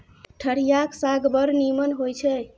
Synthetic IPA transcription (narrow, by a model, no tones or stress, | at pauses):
ʈʰəɽijaksaɡbəɾnimənɦojt͡ʃʰɛ